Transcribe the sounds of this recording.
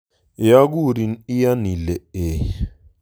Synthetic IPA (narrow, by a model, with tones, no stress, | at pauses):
ja˦ɡ̬u˦ɾi˨ni˦ja˦ni˨lɛ˨e˨